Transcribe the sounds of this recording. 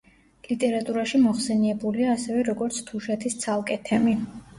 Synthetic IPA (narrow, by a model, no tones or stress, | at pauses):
lit̪ʼɛɾat̪ʼuɾaʃimɔχsɛniɛbuliaːsɛvɛɾɔɡɔɾt̪sʰt̪ʰuʃɛt̪ʰist̪sʰalˠkʼɛt̪ʰɛmi